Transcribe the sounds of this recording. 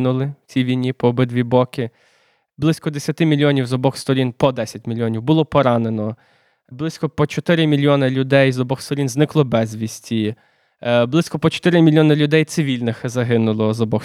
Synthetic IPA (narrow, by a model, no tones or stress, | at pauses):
nʊlˠɪt͡sʲiʋʲijnʲːipɔːbɪd̪ʋʲibɔkɪ | blˠɪsʲkɔd̪esʲjɐt̪ɪmʲilʲjɔnʲiwzɔbɔxst̪ɔɾʲinpɔd̪ɛsʲɐtʲmʲilʲjɔnʲiwbʊlˠɔpɔɾɑnenɔ | blˠɪsʲkɔpɔt͡ʃɔt̪ɪɾɪmʲilʲjɔnɪlʲʊd̪ɛjzɔbɔxst̪ɔɾʲinznɪklˠɔbɛzʲʋʲisʲtʲi | blˠɪsʲkɔpɔt͡ʃɔ̥t̪ɪɾɪmʲilʲjɔnɪlʲʊd̪ɛjt̪sɪʋʲilʲnɪxzɐɦɪnʊlˠɔzɔbɔx